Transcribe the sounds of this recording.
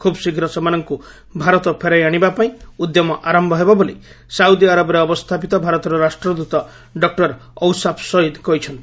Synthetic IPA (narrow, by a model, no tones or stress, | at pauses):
kʰubsikʰiɾɔsɔmanɔŋku | bʱaɾɔt̪ɔpʰeɾajaɽ̃ibapaĩud̪jɔmɔʔaɾɔmbʱɔɦebɔboli | sawd̪iaɾabɔɾeɔbɔst̪ʰapit̪ɔbʱaɾɔt̪ɔɾɔɾasʈɾɔd̪ut̪ɔ | ɖɔk̚ʈɔɾɔwsapʰsɔid̪kɔɦit͡ʃʰɔnt̪i̥